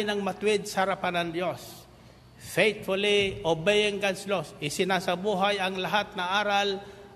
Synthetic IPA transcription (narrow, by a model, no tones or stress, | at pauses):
jnɐŋmɐt̪ʊwɪd̪̚sɐhɐɾapanɐnd̪jos | fejt̪fʊliʔobejɪŋɡanslosɪsɪnasɐbuːɦajɐŋlaɦat̪̚nɐaːɾal